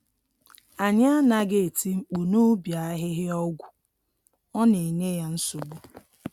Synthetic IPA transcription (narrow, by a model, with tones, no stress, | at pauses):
a˨ɲa˦na˦ɡe˨e˨ti˦ŋ͡m̩˨k͡pu˨nu˦bja˨a˦ɦɪ˦ɦɪ˦ɔ˦ɡʷʊ˨ | ɔ˦ne˨ɲe˦ja˦n̩˦sʊ˨ɡ͡bu˦